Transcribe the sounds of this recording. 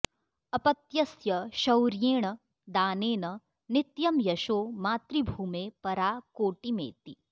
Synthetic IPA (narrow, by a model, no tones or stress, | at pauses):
ɐpɐt̪jɐsjɐʃɐwɾjeːɽ̃ə | d̪aːneːnɐ | nɪt̪jɐmjɐʃoːmaːt̪ɾibʱuːmẽpɐɾaːkoːʈimḛ̃t̪i